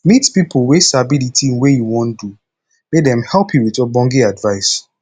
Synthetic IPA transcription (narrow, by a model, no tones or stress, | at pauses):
mitpipowesabilitʰĩnwejuwɔ̃ndu | mek̚dɛ̃mhɛlˠpʰjuwitɔbɔ̃ŋɡiadvaɪs